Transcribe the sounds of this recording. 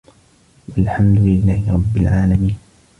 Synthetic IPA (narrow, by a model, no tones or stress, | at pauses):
walħamd̪ʊlɪlːaːhɪɾˤɑbːɪlʕaːlamiːn